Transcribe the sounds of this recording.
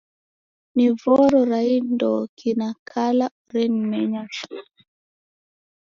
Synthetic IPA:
nivɔɾɔɾaindɔkinakala | ɾɛnmɛɲas

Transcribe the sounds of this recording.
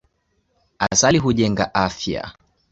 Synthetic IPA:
asaliɦuʄɛŋɡaʔafja̰

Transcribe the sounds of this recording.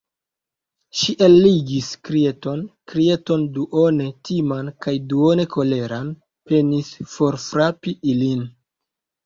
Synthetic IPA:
ʃiʔelːiɡiskɾie̞to̞nkɾieto̞nduʔone̞tʰimankajduone̞kʰo̞le̞ɾan | pe̞nisfo̞ɾfɾapiilin

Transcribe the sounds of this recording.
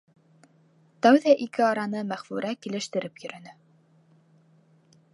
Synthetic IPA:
t̪æwðæʔikɘɑɾɑn̪ɤmæχfʉɾʔækilɘ̆ʃt̪ɘ̆ɾɘpjɵ̆ɾɵ̆nɘ

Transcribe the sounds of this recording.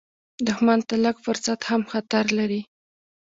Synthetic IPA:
d̪ʊxmant̪aləɡfʊɾsat̪hamxat̪aɾlaɾi

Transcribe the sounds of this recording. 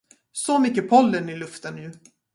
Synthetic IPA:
sɔmʏkːəpʰɔlːənɪlɵft̪ənjʉ̟ː

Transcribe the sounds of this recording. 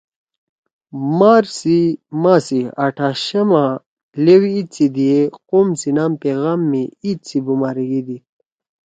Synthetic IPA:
maːɾsimasiaʈʰaɕɐma | lewiːt͡sʰid̪ijequmsinaːmpeɣamːiit̪t͡sʰibumaːɾiɡid̪i

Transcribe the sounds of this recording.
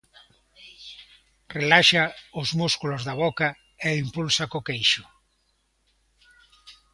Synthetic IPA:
relaʃaʊzmuskulʊzðɐβ̞ɔka | eimpulsakokejʃʊ

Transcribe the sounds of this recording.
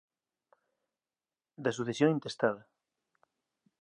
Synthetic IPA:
d̪as̬uθesjoŋint̪est̪aðɐ

